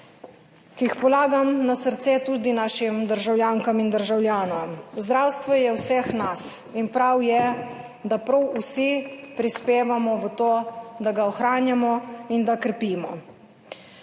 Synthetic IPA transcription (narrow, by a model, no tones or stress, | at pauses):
kixpɔlaːɡamnasəɾt̪sɛt̪uːd̪inaʃimd̪əɾʒawljaːŋkamind̪əɾʒawljaːnɔmzd̪ɾaːwst̪ʋɔjɛwsɛxnas | inpɾawjɛ | d̪apɾɔwusipɾispeːʋamɔʋət̪oːd̪aɡaɔxɾaːnjamɔind̪akɾɛpiːmɔ